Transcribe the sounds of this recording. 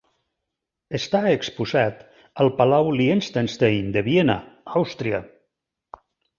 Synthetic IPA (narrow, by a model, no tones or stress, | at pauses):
əst̪aekspuzat̪ | əlˠpalawlienst̪ənst̪ejnd̪əβjena̰awst̪ɾia